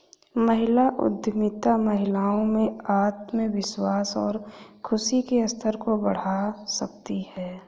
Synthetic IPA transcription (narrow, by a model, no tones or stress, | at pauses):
mɐɦɪlaʔʊ̰d̪jəmɪt̪amɐɦɪlaːõmẽaːt̪mẽʋɪswaːsɔ̰ːɾkʰʊsikeɐst̪ʰəɾkobɐɽ̤asɐkt̪ihɛː